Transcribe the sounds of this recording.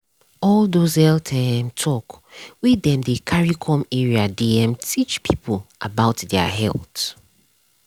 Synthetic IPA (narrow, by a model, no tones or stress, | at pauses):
ɔlˠdozhɛltʰãmtʰɔkwiɛ̃mdəkʰaɹikʰɔ̃mɛɹiadiɛ̃mtʰit͡ʃpʰipʰolʔabaʊtdɛə̰ɦɛ̰lˠt